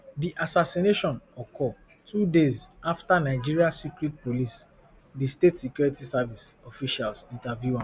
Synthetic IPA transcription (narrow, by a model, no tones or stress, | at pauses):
diʔasasineʃɔ̃nɔkʰɔ | tʰudezaftanaɪd͡ʒiɹiasikɹit̚polis | distetsikjuɹitisavisɔfiʃalsĩntavjuã